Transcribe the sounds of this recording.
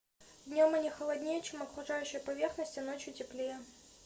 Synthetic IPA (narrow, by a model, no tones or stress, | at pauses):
vd̪ʲnʲo̞mɐnʲixəlˠɐd̪ʲnʲejət͡ɕemɐkɾʊʐajʉɕːɪjəpɐvʲerxnəsʲtʲɪno̞t͡ɕjʊtʲɪplʲejə